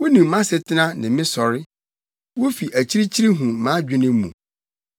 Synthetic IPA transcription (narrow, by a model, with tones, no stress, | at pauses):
wo˦nĩ˨m˦mã˦sɛ˨tʰɪ˦nã˦nɪ̃˨mɪ̃˦sɔ˨ɾɪ˦ | wo˦fi˨ʔæ˨t͡ɕʰi˦ɾi˦t͡ɕʰi˦ɾi˦ɦũ˨mã˨˦d͡ʑᶣɪ˦nɪ̃˦mː˦mṵ̃˨